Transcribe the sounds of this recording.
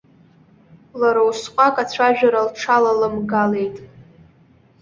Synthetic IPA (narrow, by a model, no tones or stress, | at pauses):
laɾawsqʷʼakʼat͡ɕʷʰaʒᶣaɾalʈ͡ʂʰalalɨmɡale̞jtʼ